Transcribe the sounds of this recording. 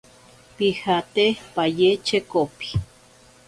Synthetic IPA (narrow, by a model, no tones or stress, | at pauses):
pihat̪epajet͡ʃekopi̥